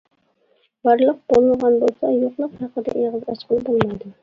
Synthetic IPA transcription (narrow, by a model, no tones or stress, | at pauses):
b̥ɑɾlˠəq̚b̥olˠɨlˠʁɑnbolˠsɑjoqlˠəqhɑqːəd̪ɛ̰ʔeʁɨzɑʃqəlˠɨbolˠmɑjd̪ʊ